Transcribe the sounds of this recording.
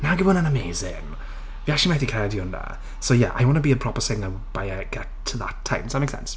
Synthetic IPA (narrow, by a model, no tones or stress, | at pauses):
naɡibʊnə̃nəmeːzɪŋ | viakt͡ʃlimajθikʰajadiʊnə̰ | soʊjɛʔa̰jwɔ̃nəbiəpʰɹ̥ɔpəsɪŋnaw | b̥ajaɡ̥ɛtʰðətʰːãɪ̃msot̚meksɛ̰̃ns